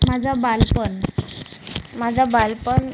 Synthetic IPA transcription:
mad͡zʱabalpəɳ | mad͡zʱabalpəɳ

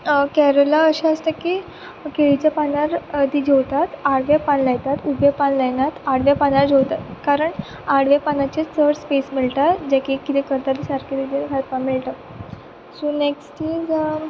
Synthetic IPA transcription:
kɛɾəlaəɕaəst̪əki | keɭit͡ɕjapanaɾt̪iːd͡ʑewt̪at̪aɽʋepanlajt̪at̪ubjepanlajnat̪aɽ̤ʋapanaɾd͡ʑowt̪at̪kaɾəɳ | aɽ̤ʋepanat͡ɕet͡səɽspesmilt̪at̪d͡ʑakikːit̪ɛkəɾt̪at̪isaɾkit̪id͡ʑ̪ekʰat̪̚panmilt̪a | soneksʈiːd͡z

